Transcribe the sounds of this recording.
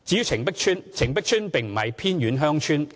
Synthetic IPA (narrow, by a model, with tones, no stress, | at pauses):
t͡siː˨˥ji˧wt͡sʰɪ˨˩ŋpɪ˥k̚t͡ʃʰyː˥nt͡sʰɪ˨˩ŋpɪ˥k̚t͡ʃʰyː˥npɪ˨ŋm̩˨˩hɐ̰˨˧jpʰiː˥nɥyː˨˧˥nɦœː˥ŋt͡ʃʰyː˥n